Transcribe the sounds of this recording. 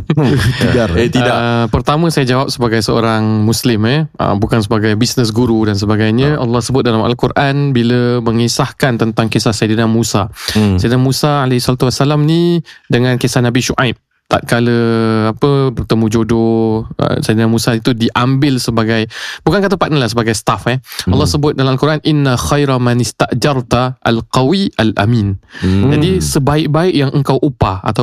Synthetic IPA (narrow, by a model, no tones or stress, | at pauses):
dat̪iapərt̪amə̃sajad͡ʒawap̚səbaɡajsəo̰ɾaŋmuslɪməʔə̰bukansəbaɡajbisnəs̬ɡuɾudans̬əbaɡajɲãʔɑ̰lːɑhsəbʊt̪̚dalama̰lkurʔanbiləməŋisahkant̪ənt̪aŋkesahsajdinamusasajdnamũsaalaisɔlat̪uwasːalamnĩdəŋãnkesahnabiʃuʔajp̚ | t̪a̰t̪̚kaləapəbərt̪əmũd͡ʒodoə̰sajdanamusait̪udiʔambɪlsəbaɡajbukankat̪̬əpat̪̚nalahsəbaɡajsə̥t̪afɛalːɑhsəbʊt̪̚dalamalkuɾʔanʔinːaxajɾamanɪst̪aʔd͡ʒɑrt̪aʔa̰lqawiʔalʔa̰mĩnd͡ʒadisəbaɪʔ̚baɪʔjaŋʔəŋkawʔupaa̰t̪a